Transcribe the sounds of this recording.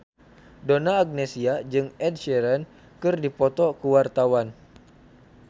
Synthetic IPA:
donaːɡ̚nesiad͡ʒɨŋɛd̚ʃɛɾɛn | kɨrdipɔt̪ɔkuwart̪awan

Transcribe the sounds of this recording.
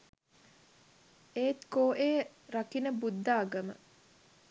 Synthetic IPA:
eːt̪koːʔeːɾakinəbud̪ːaːɡəmə̰

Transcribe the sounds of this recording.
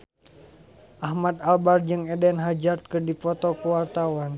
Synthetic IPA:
ʔahmad̪albard͡ʒɨŋɛdɛnɦad͡ʒart̪̚kɨrdifɔt̪ɔkuwart̪awan

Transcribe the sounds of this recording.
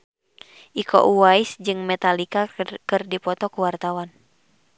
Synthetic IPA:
ʔikʰɔ̰ʔuwaisd͡ʒɨŋmɛt̪alikakɨrdipɔt̪ɔkuwart̪awan

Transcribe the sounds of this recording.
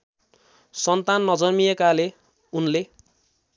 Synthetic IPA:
sʌnt̪anːʌd͡zʌrmijekale | unle

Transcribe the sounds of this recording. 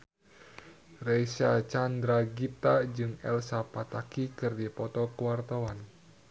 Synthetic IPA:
rɛjsat͡ʃandɾaɡit̪ad͡ʒɨŋɛ̰lsapat̪akikɨrdipɔt̪ɔkuwart̪awan

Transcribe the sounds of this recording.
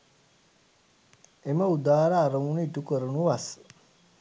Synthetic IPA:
emɐud̪aːɾaːɾoŋuniʈukoɾunuʋas

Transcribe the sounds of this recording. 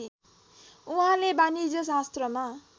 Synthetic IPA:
uɦãlebanid͡zʌs̬ast̪rʌma

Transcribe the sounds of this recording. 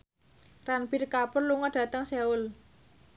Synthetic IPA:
ranpirkapʊrluŋɔɖ̥ä̤t̪əŋseʊl

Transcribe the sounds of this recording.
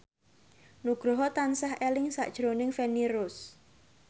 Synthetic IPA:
nuɡ̥ɾoɦɔt̪ansahelɪŋsa̰ʔd̥ʒ̥ɾonɪŋfeniɾʊs

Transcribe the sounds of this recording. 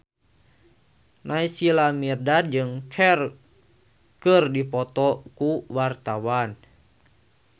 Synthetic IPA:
nʔaisilamirdad͡ʒɨŋkʰɛr | kərdipɔt̪ɔkuwart̪awan

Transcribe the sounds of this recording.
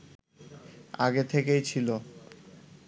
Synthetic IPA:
aɡet̪ʰekejt͡ɕʰilo

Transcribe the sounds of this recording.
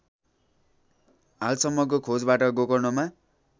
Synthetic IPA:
ɦalsʌmːʌk̬okʰod͡zbaʈʌɡokʌrnoma

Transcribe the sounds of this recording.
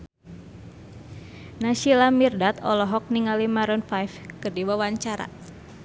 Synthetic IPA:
nasilamirdat̪ɔ̰lɔɦɔk̚niŋalimaɾɔnfajfkɨrdiwawaɲt͡ʃaɾa̰

